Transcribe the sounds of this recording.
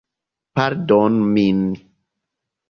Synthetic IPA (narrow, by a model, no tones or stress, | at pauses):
paɾdɔnmini